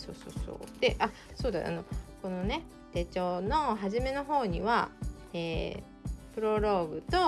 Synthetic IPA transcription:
so̞̰ːso̰ːso̰ːd̪̥e̞ʔa | soːd̪aʔa̰no̞ko̞no̞ne̞ | t̪e̞t͡ɕo̞ːno̞ɦaʑime̞no̞ɦo̞ːɲ̟iβa̰ | eː | pɯ̟ɾo̞ɾo̞ːbɯ̟t̪o̞

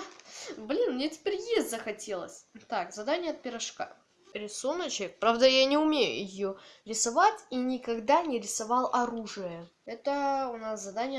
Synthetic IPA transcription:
blʲinmnʲetʲɪ̥pʲeɾʲjesʲt̪ʲzəxɐtʲe̞lˠə̰sʲt̪akzɐd̪anʲɪjəɐt̪̚pʲɪɾɐʂka̰ | ɾʲɪsunət͡ɕɪkpɾavd̪əjanʲɪʊmʲejʊ̰jɪjoɾʲɪsɐvatʲinʲɪkɐɡd̪anʲɪɾʲɪsɐvɑlˠɐɾuʐɨjə | ɛt̪əʊnaszɐd̪anʲɪjə

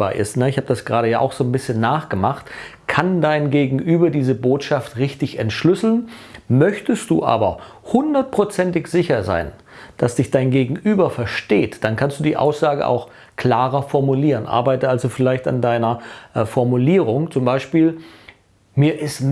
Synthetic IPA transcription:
a̰ːʔɪ̰stnəɪçhaːbədasɡ̥ʁaːɾəjaːʔa̰ʊxz̥oːnbɪsçənːaːχɡ̥əmaχtkʰandaɪnɡeːɡŋ̩ʔyːbɐdiːzəboːtʃaftʁɪçtɪçɛntʃlʏsl̩nmœçtəstd̥ṵːʔa̰ːbɐ | hʊndɐt̚pʁ̥ot͡sɛntɪçz̥ɪçɐza̰ɪn | d̥asd̥ɪçd̥aɪnɡeːɡŋ̩ʔyːbɐfɛɐʃteːtd̥ankʰanstd̥uːdiːʔa̰ʊsz̥aːɡə̰ʔa̰ʊx | kl̥aːʁɐfɔɐmuliːʁənʔa̰ɐbaɪtəalzofɪlaɪçta̰ndaɪnɐʔfɔɐmuliːʁ̞ʊŋt͡sʊmbaɪʃpiːl | miːɐʔɪst

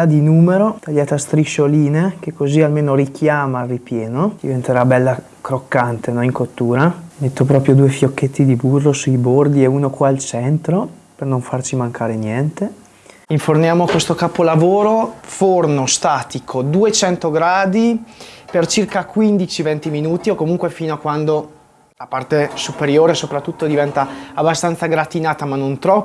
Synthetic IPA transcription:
ad̪inuːmeɾot̪aʎːaːt̪ast̪ɾiʃoliːnek̟ekːozialmeːnoɾikjaːmaripjɛːnod̪̥ivent̪eɾabɛlːa | kɾokːant̪enɔiŋkot̪ːuːɾamet̪ːopɾɔːpɾjod̪uːefjokːet̪ːid̪iburːosuijbord̪ieuːnokwaːlt͡ʃɛnt̪ɾo | pernoɱfart͡ʃimaŋkʰaːɾenjɛnt̪e | iɱfornjaːmokwest̪okapolavoːɾofornost̪aːt̪ikʰod̪uet͡ʃɛnt̪oɡɾaːd̪ipert͡ʃirkakwind̪it͡ʃivent̪iminuːt̪iokomuŋkwefiːnoakwand̪o | lapart̪esupeɾjoːɾesopɾat̪ːut̪ːod̪ivɛnt̪aːbːast̪ant̪saɡɾat̪inaːt̪amanːont̪ɾɔpː

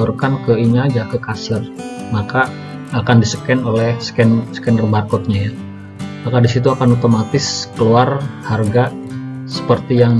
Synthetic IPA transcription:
urkankəiɲad͡ʒakəkasərmakaː | kandisəkɛnolɛhsə̥kɛnsə̥kɛndərbarkɔt̪̚ɲaja | makadisit̪̬uakanut̪omat̪ɪskəluarharɡa | sə̥pərt̪ijaŋ

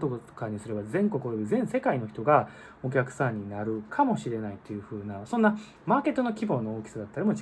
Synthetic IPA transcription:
t̪okkaɲ̟isɨɾe̞bazẽ̞ŋko̞kɯ̟ooizẽ̞ɰ̃se̞kaino̞çi̥t̪o̞ɡa | o̞k̬ʲakɯ̟̥sãɲ̟ːinaɾɯ̟kʰamo̞ɕiɾe̞nait̪ːe̞jɯ̟ɸɯ̟ːnasonːa | maːke̞t̪ːo̞no̞kʲibo̞ːnooːkʲi̥sad̪at̪ːaɾimot͡ɕ

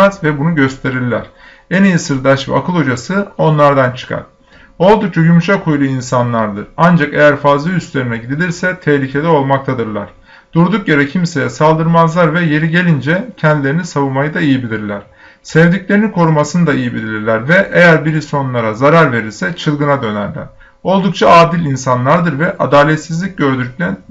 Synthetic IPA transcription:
azvɛbunuɟø̞st̪ʰe̞ɾiɾlʲæɾ̥ | ɛnijisɯɾd̪aʃv̰a̰kʰɯlˠo̞d͡ʒasɯo̞nlˠaɾd̪ant͡ʃʰɯ̥kʰa̰ɾ̥ | o̞lˠd̪uk̚t͡ʃʰajumʃakʰujlˠuinsanlˠaɾd̪ɯɾand͡ʒakejæɾfazlˠayst̪lʲe̞ɾinɛɟid̪ilʲiɾsɛt̪ʰɛhlʲicʰe̞d̪ɛo̞lˠmak̚t̪ʰad̪ɯɾlˠa̰ɾ̥ | d̪̥uɾd̪uk̚ɟe̞ɾɛcʰimse̞jɛsalˠd̪ɯɾmazlˠaɾvɛje̞ɾiɟe̞lʲind͡ʒɛcʰɛnd̪ilʲeɾinisavɯnmajɯd̪aijibilʲiɾlʲæɾ̥ | sɛvd̪icʲlʲeɾinikʰo̞ɾumasɯnɯd̪aijibilʲilʲiɾlʲæɾvɛʔejæɾbiɾiso̞nnlˠaɾazaɾaɾve̞ɾiɾsɛt͡ʃʰɯlˠɡɯnad̪ø̞næ̰ɾlʲæ̰ɾ̥ | o̞lˠd̪uk̚t͡ʃʰaaːd̪ilʲinsanlˠaɾd̪ɯɾvɛʔad̪aːlʲɛt̪sizlʲic̚ɟø̞ɾd̪yc̚ʲlʲæn

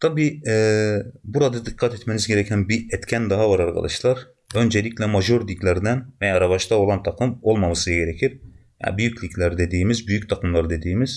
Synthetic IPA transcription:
t̪ʰabiːɛːbuɾad̪ad̪ikʰːat̪ɛt̪menizɟe̞ɾɛcʰænbiɛt̪cʰʲænd̪aɦavaɾaɾkʰa̰d̪aʃlˠaɾ | ø̞nd͡ʒelʲiclʲɛmaʒuɾd̪icʲlʲæɾd̪ænvɛjaɾaβaʃt̪ao̞lˠant̪ʰaqʰɯmo̞lˠmamasɯɟeɾecʰiɾ | ja̰byjycʰlʲicʲlʲæɾd̪e̞d̪iːmizbyjyc̚t̪ʰakʰɯmlˠaɾɯd̪e̞d̪iːmiz̥

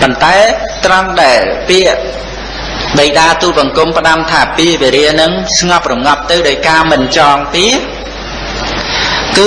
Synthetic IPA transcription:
pont̪aɛt̪rənɗaɛlpiəʔ | ɗəjɗaːt̪uːp̚ɓɑŋkumpə̆ɗamt̪ʰaːpiəʔʋeɾiənɨŋsŋɑp̚rumŋɑp̚t̪ɨwɗaɔjkaːmɨnt͡ɕɑːŋpiə | kɨː

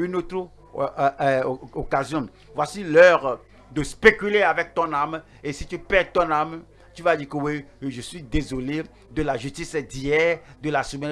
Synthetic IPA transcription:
ynot̪ɾ | okazjɔ̃ | vwasilœʁ | d̪əspekyleavɛk̚t̪ɔ̃nam | esit̪ypɛt̪ɔ̃nam | t̪yvad̪ikəweʒəsɥid̪ezole | d̪əlaʒyst̪ised̪ijɛd̪əlasəmɛ̃

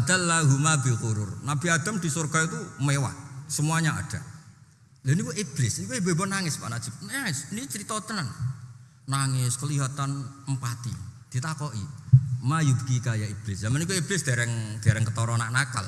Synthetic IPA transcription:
ad̪alːaɦumabikuɾʊ̰rnabiad̪̥a̤md̪isurɡ̥a̤it̪umewa̰səmuaɲaa̰d̪̥a | lanikuib̥lɪsnikuibebɔnaŋɪspa̰ʔnadd͡ʒ̥ip̚mŋɪsnit͡ʃəɾit̪ɔt̪ənan | naŋɪskəliɦat̪anəmpat̪ḭd̪̥i̤t̪akɔʔḭmajubkikajaib̥lɪsjamənikuib̥lɪsd̥̪aɾɛŋd̪̥aɾɛŋkət̪ɔɾɔnaʔnaka̰l

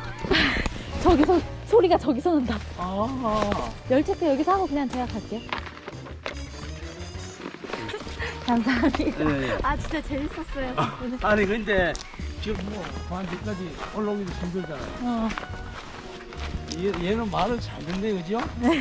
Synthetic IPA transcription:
t͡ɕʌɡisʰʌsʰoɾiɡat͡ɕʌɡisʰʌnɯndaa | jʌɭt͡ɕ͈ʰetʰːejʌɡisʰʌɦaɡokɯɲaŋt͡ɕʌjakʰaɭk͈e̞jo | kams̬ʰaŋmiɡaat͡ɕint͡ɕ͈at͡ɕe̞ɭs͈ʌs͈ʌjoneaɲikɯnde̞ | t͡ɕiɡɯmːʌkantek͈ad͡ʑiʌɭːʌɡidot͡ɕumdɯɭd͡ʑana̰jo | jejenɯnmaɾɯɭt͡ɕaɭnɯndekɯd͡ʑione̞

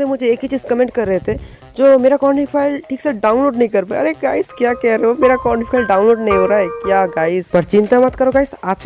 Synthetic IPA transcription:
emʊd͡ʒʱeːkit͡ʃiːzkɐmẽɳʈ̚kɐɾːəɦet̪ʰe | d͡ʒoːmeːɾakɔːɳifʰaːɪlʈʰiːksaɖaːʊ̃nloːɖnɐɦĩkɐɾpaɐɾeɡaːɪskjaːkɛɦɾəomeːɾakɔːʈifʰaːɪlɖaːʊnloːɖnɐɦĩɦoːɾaːɦɛkjaːɡaːɪzpɐɾt͡ʃɪ̃nt̪amɐt̪kɐɾoɡaːɪsaːt͡ʃʰ

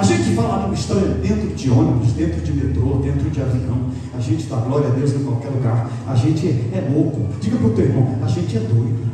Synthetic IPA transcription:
aʒẽt͡ʃɪvajlanũmist̪ɔ̃ɾɐd̪ẽnt̪ɾʊd͡ʒiõnɪɾʊzd̪ẽnt̪ɾʊd͡ʒɪmet̪ɾod̪ẽnt̪ɾʊd͡ʒɪazilɐ̃w̃ | aʒẽnt͡ʃɪ̥t̪aɡlɔɾiɐd̪ewznʊ̃kwawkɛluɡaɾ | a̰ʒẽnt͡ʃɪɛɛlokʊd͡ʒiɡɐpɾʊt̪ewiɾmɐ̃w̃aʒẽnt͡ʃɪɛd̪ojd̪ʊ

